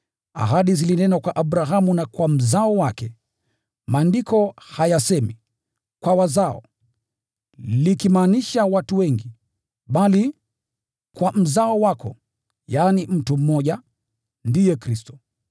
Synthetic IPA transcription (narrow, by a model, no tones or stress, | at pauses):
a̰ɦaɗizilinɛnakwaʔaɓɾaɦamunakwam̩zaɔwakɛ | maːndikʰɔhajasɛmi | kwawazaɔ̰ | likimaːniʃawatuwɛŋɡi | ɓali | kwam̩zaɔwakɔ | jaːnim̩tum̩mɔʄa | ndijɛkɾistɔ̥